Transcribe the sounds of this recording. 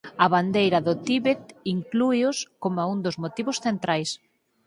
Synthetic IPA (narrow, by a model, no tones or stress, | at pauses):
ɐβand̪ejɾɐðʊt̪iβet̪iŋklujʊskomaund̪ʊzmot̪iβʊsθent̪ɾajs